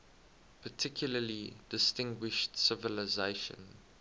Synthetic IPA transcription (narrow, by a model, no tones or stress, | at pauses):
pʰətʰɪkʰjʊləlidɪstɪ̃ŋɡwɪʃtsɪvəlɪzeɪʃə̰̃n